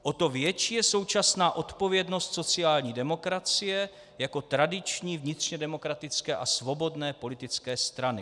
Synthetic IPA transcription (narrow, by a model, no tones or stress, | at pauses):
ʔo̞t̪o̞vjɛt͡ʃiːjɛso̞wt͡ʃasnaːʔo̞t̪po̞vjɛdno̞st̪sot͡sɪaːlɲiːdɛmo̞kɾat͡sɪjɛ | jako̞t̪ɾadɪt͡ʃɲiːvɲɪt̪r̝̥ɲɛdɛmo̞kɾat̪ɪt͡skɛːʔasvo̞bo̞dnɛːpo̞lɪt̪ɪt͡skɛːst̪ɾanɪ